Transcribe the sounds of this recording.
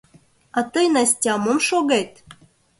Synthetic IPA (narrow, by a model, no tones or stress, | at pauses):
ɑt̪ɤjnɑsʲtʲɑmomʃoɣet̪